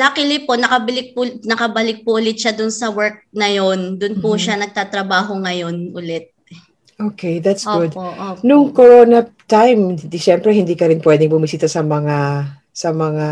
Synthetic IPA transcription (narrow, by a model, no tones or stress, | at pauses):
d̪akɪlɪponɐkɐbɪlɪk̚pʊnɐkɐbɐlɪk̚pʊʔʊlɪt̪̚ʃad̪ʊnsɐwɛɹk̚nɐjo̞nd̪ʊnpʊʃanɐɡ̚t̪aːt̪ɾɐbaːɦo̞ŋɐjo̞nʔʊlɛt̪̚ | ɛ | ʔokʰejðat̪sɡʊd̪nʊŋkoɹoːnɐt̪ajmd̪iʃɛmpɾɛhɪnd̪iːkɐɾɪnpwɛːd̪ɛŋbʊmɪsiːt̪ɐsɐmɐŋa | sɐmɐŋa